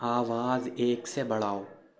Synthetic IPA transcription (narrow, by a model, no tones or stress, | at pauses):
aːʋaːzeːksebɐɽ̤aːoː